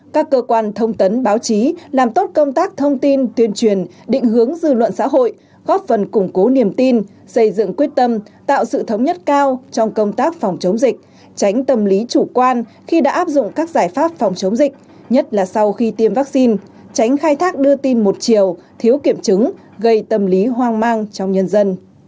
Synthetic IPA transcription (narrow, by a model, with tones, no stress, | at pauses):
kaː˦˥kːəː˧kwaː˧nt̪ʰə˧wŋ͡mt̪ə˨˦nɓaː˨˦wt͡ɕi˨˦laː˨˩mt̪o˦˥t̚kə˧wŋ͡mt̪aː˦˥k̚t̪ʰə˧wŋ͡mt̪i˧nt̪ʰwi˧ənt͡ɕwi˨˩ən | ɗḭ˧˨ŋ̟hɨ˨˦əŋzɨ̰˧˨lwə̰˧˨nsa̰ː˧˥ɦo̰˧˨j | ɣɔ˦˥p̚fə˨˩nkʊ˧˩ŋ͡mko˨˦ni˨˩əmt̪i˧n | sə˧˩jzɨ̰˧˨ŋkwi˦˥ət̚t̪ə˧mt̪a̰ː˧˨wsɨ̰˧˨t̪ʰə˨˦wŋ͡mɲə˦˥t̚kaː˧wt͡ɕɔ˧wŋ͡mkə˧wŋ͡mt̪aː˦˥k̚fɔ˨˩wŋ͡mt͡ɕə˨˦wŋ͡mzi˨˩k̟̚ | t͡ɕa˨˦jŋ̟t̪ə˨˩mli˨˦t͡ɕu˧˩kwaː˧n | xi˧ɗa̰ː˧˥ʔaː˦˥p̚zʊ̰˧˨ŋ͡mkaː˦˥k̚zaː˧˩j̚faː˦˥p̚fɔ˨˩wŋ͡mt͡ɕə˨˦wŋ͡mzï˨˩k̟̚ | ɲə˦˥t̚laː˨˩sa˧wxi˧t̪i˧mvaː˦˥k̚si˧n | t͡ɕa˨˦jŋ̟xaː˧jt̪ʰaː˦˥k̚ɗɨ˧ət̪i˧nmo˨˩t̚t͡ɕi˨˩əwt̪ʰi˨˦əwki˧˩əmt͡ɕɨ˨˦ŋ | ɣə˧jt̪ə˧˩mli˨˦ɦwaː˧ŋmaː˧ŋt͡ɕɔ˧wŋ͡mɲə˧nzə˧n